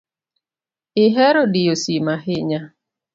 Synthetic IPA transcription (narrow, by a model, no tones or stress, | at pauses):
ɪɦɛɾodɪjosimaɦɪɲa